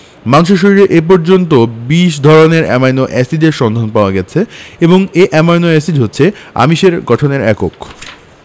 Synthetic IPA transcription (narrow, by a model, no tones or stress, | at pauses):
manʃoʃ̬oɾiɾeʔep̬ɔɾd͡ʑont̪obiʃd̪ʱɔɾoneɾɛ̰majnoʔɛsid͡ʑeɾʃɔnd̪ʱanpaoaɡɛt͡ɕʰeeboŋeʔɛmajnoɛsid͡ʑɦotːɕʰea̰miʃeɾɡɔʈʰoneɾɛko̰k